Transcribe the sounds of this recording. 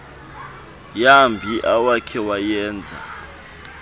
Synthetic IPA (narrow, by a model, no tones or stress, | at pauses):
jambʱiʔawakʰɛwajɛːnd͡zʱa̰